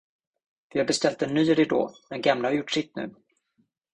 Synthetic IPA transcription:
vɪhaɾbɛst̪ɛlt̪̚d̪ɛnːyːɾɪd̪o̰ːd̪ɛnɡamlahaɾjʊʈːʂɪt̪nʉ̟̰ː

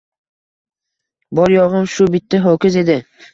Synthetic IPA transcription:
bɒɾjɒʁɨmʃʊbɪt̪ʰːaɦokʲɪze̞d̪ɪ

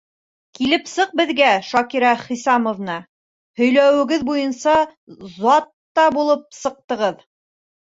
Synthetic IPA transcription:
kilɘpsɤq̚bɘ̆ðɡæʃɑkiɾɑχisɑmŏvnɑ | hɵ̆jlæwɘ̆ɡɘðbujɤnsɑzɑt̪ːɑbulˠɤp̚sɤ̆q̚t̪ɤ̆ʁɤð

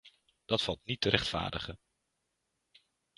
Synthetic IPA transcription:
d̥ɑtfɑlˠtnitəɾʔɛχtfa̰ːɹdəχə

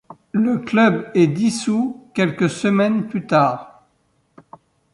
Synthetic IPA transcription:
ləklœbɛd̪isukʲɛlkəsəmɛnplyt̪aːʁ

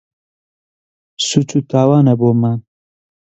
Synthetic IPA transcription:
sut͡sut̪aːwaːnɐboːman

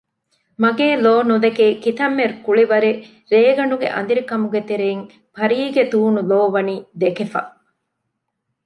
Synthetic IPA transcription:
mɐɡeːloːnud̪ekeːkit̪ɐmːeɾukuɭiʋɐɾe | ɾeːɡɐɳɖuɡḛʔɐ̰nd̪iɾikɐmuɡet̪eɾeŋ | pɐɾiːɡed̪uːnuloːʋɐniːd̪ekefɐ̰

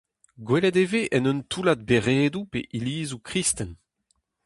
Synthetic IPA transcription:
ɡwelɛd̪eveʔɛnɔnt̪ʰulad̪̚beʁeːd̪upḛʔiliːzukʁist̪ɛn

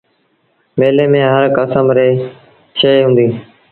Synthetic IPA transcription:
ʋeːleːmẽːɦəɾkəsəmɾeː | ʃejɦũːnd̪iː

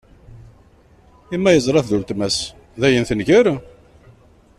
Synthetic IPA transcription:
imːæjəzˤɾˤɑθðult̪mæs | ðæjənθənʝəɾ

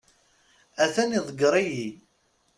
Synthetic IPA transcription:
æθæniðˤəɡɾˤiji

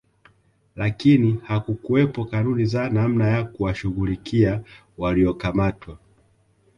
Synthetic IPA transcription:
lakinihakukuwɛpɔkanunizanam̩najakuwaʃuɣulikʰia | waliɔkamatwa

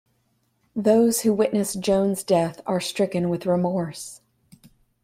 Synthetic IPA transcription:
ðoʊz̥huwɪʔⁿnɨsd̥ʒ̥õʊ̃nzdɛθə˞stɹ̥ɪkɨ̃nwɨðɹɪmɔɹs

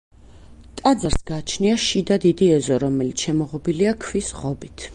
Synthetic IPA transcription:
t̪ʼad̪zaɾsɡaːt͡ʃʰniaʃid̪ad̪id̪iɛzɔɾɔmɛlit̪sʰʃɛmɔʁɔbiliakʰvisʁɔbit̪ʰ

